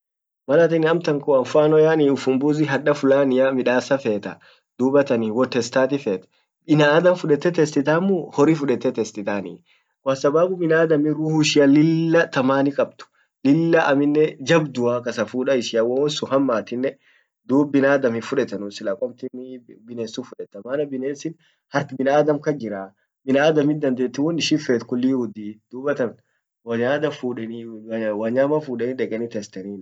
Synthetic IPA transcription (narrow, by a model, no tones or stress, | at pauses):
mɐlat̪ɪnːɪɐmt̪ɐŋkɔɐfaːnɔjaːniːʊfʊmbuːzɪɦɐᶑɐfʊlaːnɪjamɪᶑaːsːɐfeːt̪ɐ | d̪̥uːbɐt̪ɐniwɔt̪ːɛst̪aːt̪ɪfeːt̪ɐ̥ | ɪnaːd̪ɐnfʊᶑɛt̪ːɛt̪ɛst̪ɪt̪aːmːʊhɔɾɪfʊᶑɛt̪ːɛt̪ɛst̪ɪt̪aːnḭː | waːsɐbaːɡʊmɪnaːd̪ɐmɪɾuhʊʃɪjɐlɪlːɐt̪ɐmaːnɪkʼɐb̚t̪ʊ̥ | lɪlːɐʔɐmɪnːɛd͡ʒɐbd̪ʊaːkɐsɐfuːᶑɐɪsɪjawɐɔsʊɦɐmːaːt̪ɪnːɛ | d̪uːbɪnaːd̪ɐmɪfʊᶑɛt̪ɐnʊsɪlakʼɔmt̪ɪnbɪneːsufʊᶑɛt̪ːɐmaːnɐbɪneːsɪn | hɐɾt̪ɪbɪnaːd̪ɐmkɐd͡ʒɪɾaː | bɪnaːd̪ɐmɪd̪ɐnd̪eːt̪ːɪwɔnɪʃɪfeːt̪kʊlːiːhʊd̪iːd̪̥uːbɐt̪ɐn | wɐɲaːd̪ɐfuːᶑɛ | wɐɲaːmɐfuːᶑɛnɪᶑɛkʼɛnɪt̪ɛst̪ɐniːn